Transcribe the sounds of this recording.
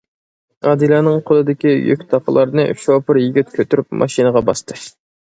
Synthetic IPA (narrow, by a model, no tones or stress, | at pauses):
ɑd̪ɨlˠɑːnɨŋqʰolˠɨd̪ɪkʲijø̰kʲt̪ʰɑqʰəlˠɑɾnɨʃopɨɾjiɡʲit̪̚kʲʰøt̪ʰyɾypmʔɑ̰ʃinəʁɑbɑst̪ʰɨ